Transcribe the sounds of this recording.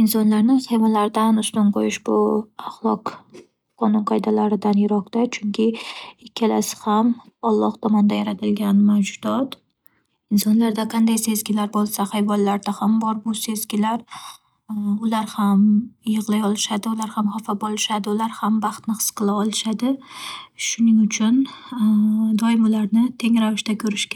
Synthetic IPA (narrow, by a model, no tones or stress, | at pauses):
ɪnsɒnlaɾnɪhajvɒnlaɾd̪anʊst̪anqʰojɪʃbʊaχlˠɒq | qʰːɒnʊnqʰɒjd̪alaɾɪd̪anjɪɾɒqt̪at͡ʃʰʊŋkʲʰɪɪkʲʰːalasɪ̥ham | ɒlˠːɒht̪ʰɒmɒnd̪ajaɾat̪ʰɪlɡʲanmawd͡ʒʊd̪ɒt̪ | ɪnsɒnlaɾd̪aqʰɑnd̪ajse̞zɡʲɪlaɾbolˠsahajvɒnːaɾd̪ahambɒɾbʊse̞zɡʲɪlaɾ | ʊlaɾhamjɨʁlˠajɒlˠɪʃad̪ɪʊlaɾhamhafabolˠɪʃad̪ɪʊlaɾhambɑχt̪nɪqʰɨ̥sqʰɨlˠaɒlˠɪʃad̪ɪ | ʃʊnɪŋʊt͡ʃʰʊn | d̪ɒjɪmʊlaɾnɪt̪ʰe̞ŋɾavɪʃt̪akʲʰɵɾɪʃkʲa